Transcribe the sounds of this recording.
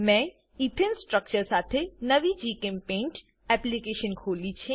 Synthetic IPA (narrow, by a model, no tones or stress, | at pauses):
mɛ̃ | it̪ʰɪnsʈɾək̚t͡ɕəɾsaːt̪ʰenɐʋid͡ʑiːkẽmpẽːnʈ | ɛplikeːʃənkʰoːlit͡ʃʰe